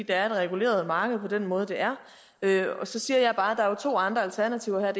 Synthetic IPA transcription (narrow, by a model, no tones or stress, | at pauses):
ḭːd̥ɑ̈æɐe̝d̥ʁɛɡ̥ule̝̰ːɐð̞̩ˠmɑ̈ːɡ̥əð̞̩ˠpʰɒ̽d̥en̰mɔ̽ːð̞ˠəd̥e̝æɐ | øɒ̽sɒ̽siːɐjɑ̈ɪb̥ɑ̈ːd̥ɑ̈æɐjo̝t͡sʰo̝̰ːɑ̈nd̥ʁɐælt͡sʰæɐnæt͡sʰiʊɒhæɐd̥e